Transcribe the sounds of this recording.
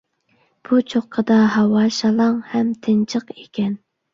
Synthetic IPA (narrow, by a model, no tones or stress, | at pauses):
b̥ut͡ʃʰoχqʰːəd̪ɑɦɑwɑʃɑlˠɑŋhɛmt̪ʰɪnt͡ʃʰəqekʲʰɛn